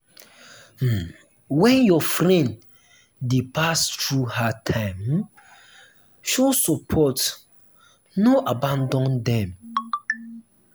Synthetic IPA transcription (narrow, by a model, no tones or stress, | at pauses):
m̩ | wɛ̃njɔfɾɛ̃nd | depʰastɹuhatʰãɪ̃m | ʃɔsupʰɔt | noʔabãndɔ̃ndɛ̃m